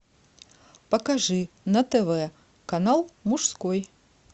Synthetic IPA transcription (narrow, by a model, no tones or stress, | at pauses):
pɐkaʐɨ | nɐt̪ɛvɛ | kanalˠmuʂskɔj